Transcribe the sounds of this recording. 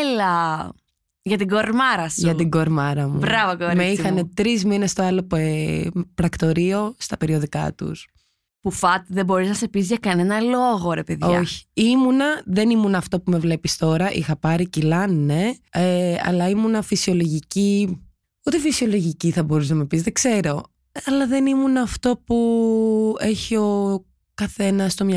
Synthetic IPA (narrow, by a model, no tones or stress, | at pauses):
elɐ | ʝɐt̪iɡoɾmɐɾɐsʝɐtt̪iɡo̞ɾmɐɾɐmubɾɐvokoɾmeixɐne̞t̪ɾizmine̞st̪o̞ɐlo | pɾɐkt̪o̞ɾio̞st̪ɐpe̞ɾio̞ðikɐ̰t̪ṵs | pufɐt̪ðebo̞ɾiznɐse̞pizʝɐkɐne̞nɐloɣo̞ɾepeðooçi̥imunɐðe̞nimunɐːft̪o̞pume̞vle̞pist̪o̞ɾɐʔixɐpɐɾicilɐnnːe̞eɐ̰lɐimunɐfisio̞lo̞ʝici | ut̪efisio̞lo̞ʝiciθɐbo̞ɾus̬nɐmɐpizðeɡse̞ɾo̞ | ɐlɐðe̞nimunɐːft̪o̞pu | e̞çio̞ | kɐθe̞nɐst̪o̞mɐ